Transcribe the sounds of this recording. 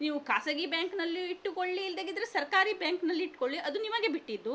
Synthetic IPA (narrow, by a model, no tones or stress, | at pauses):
niːʋukaːsɐɡibjaːŋknɐlːiːʈːukoɭliːld̪eɡid̪ɐɾesɐɾkaːɾibjaːŋknɐlːiːʈːkoɭliʔɐd̪unimɐɡe̞biʈːid̪ːu